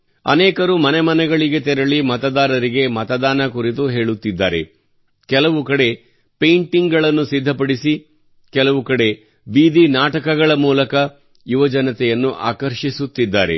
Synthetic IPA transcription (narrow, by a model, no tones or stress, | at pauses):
ɐ̰nɛːkɐɾumɐnɛmɐnɛɡɐɭiɡe̞t̪ɛɾɐɭimɐt̪ɐd̪aːɾɐɾiɡe̞mɐt̪ɐd̪aːnɐkuɾit̪uɦe̞ːɭut̪ːid̪ːa̰ːɾe̞̰ | kɛlɐʋukɐɽe̞ | pejɳʈiŋɡɡɐɭɐnːusid̪ʱːɐpɐɽisi | kɛlɐʋukɐɽe̞ | biːd̪inaːʈɐkɐɡɐɭɐmuːlɐkɐ | juʋɐd͡ʒɐnɐt̪ɛjɐnːuʔa̰ːkɐɾʃisut̪ːid̪ːaːɾe̞̰